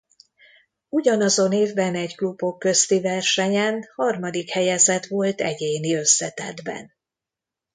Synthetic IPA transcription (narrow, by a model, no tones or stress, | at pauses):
uɟɒnɒzo̞neːvbɛnɛɟklubo̞kːø̞st̪ivɛrʃɛɲɛnhɒrmɒd̪ikhɛjɛzɛt̪ʋo̞lt̪ɛɟeːniø̞sːɛt̪ɛ̰d̪bɛ̰n